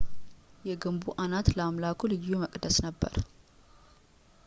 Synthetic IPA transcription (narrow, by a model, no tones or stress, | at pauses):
jɛɡɨmbuʔanat̪ləamlakʰulɨjːuməkʼd̪əsnəbːə̰ɾ